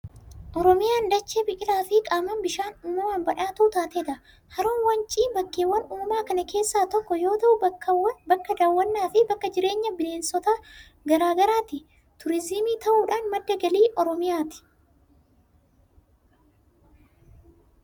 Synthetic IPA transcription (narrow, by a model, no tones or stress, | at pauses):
ʔɔɾɔmɪjaːnd̪ɐt͡ʃːeːbɪkʼɪlaːfɪkʼaːmɐnbɪʃaːnʊmːɐwaːnbɐᶑaːt̪uʊt̪aːt̪eːd̪ɐ | hɐɾoːnwɐnt͡ʃʼiːnbɐkːeːwːɐnuːmaːkɐnɐke̞ːsːaːt̪ɔkːɔjo̞ːt̪ɐʔʊbɐkːɐwbɐkːɐd̪aːwːɐnːaːfɪbɐkːɐd͡ʒɪɾe̞ːɲːɐbɪleːnsɔt̪a | ɡɐɾaːɡɐɾaːt̪ɪ | t̪ʊɾɪzɪmiːt̪ɐʔuːᶑaːnmɐd̪ːɐɡɐliːʔɔɾɔmɪjaːt̪ɪ̥